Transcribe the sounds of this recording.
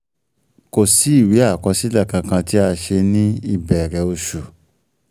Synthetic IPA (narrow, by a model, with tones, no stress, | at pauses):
ko˨si˨˦i˦˨wi˨˦a˦˨kɔ˧si˦la˦˨kã˧kã˧ti˦a˧ʃe˧nĩ˦i˦˨bɛ˨ɾɛ˨o˧ʃu˨